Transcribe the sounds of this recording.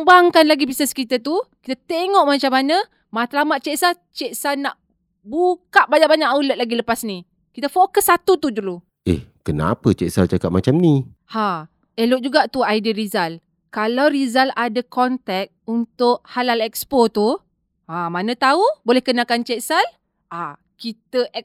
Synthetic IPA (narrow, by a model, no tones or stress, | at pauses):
ŋbaŋkanlaɡipisɛskit̪at̪uki̥t̪at̪eŋɔʔmat͡ʃamanə | mat̪lamat̪̚t͡ʃɛʔsal | t͡ʃɛʔsalnaʔ | bukaʔ̚baɲaʔbaɲaʔaulət̪̚laɡiləpasni | kit̪əfokəsːat̪ut̪udulu | ɛ̰hkəna̰pət͡ʃɛʔsalt͡ʃakaʔ̚mat͡ʃamni | ha | ɛloʔ̚d͡ʒuɡaʔt̪uaidiɾizal | kalawɾizaladakɔnt̪ɛk̚t̪̚unt̪ʊʔhalalɛkspot̪u | amanə̃t̪aubolɛhkənakant͡ʃɛʔsal | a | kit̪əʔɛ